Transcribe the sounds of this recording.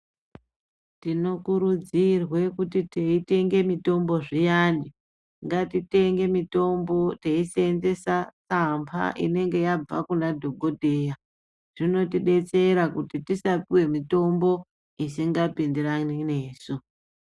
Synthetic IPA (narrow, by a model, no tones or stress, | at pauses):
tino̞kuɾud͡zirwe̞kutiteite̞ŋɡe̞mito̞mbo̞ʐijaːni | ŋɡatite̞ŋɡe̞mito̞mbo̞teiseenze̞sat͡sampʰa̰ʔḭne̞ŋɡe̞jab͡va̰kunadʱo̞ɡʱo̞dʱe̞ːja | ʐ̥ino̞tiɗe̞t͡se̞ɾakutitisapiwe̞mito̞mbo̞ | isiŋɡapindiranine̞ːsu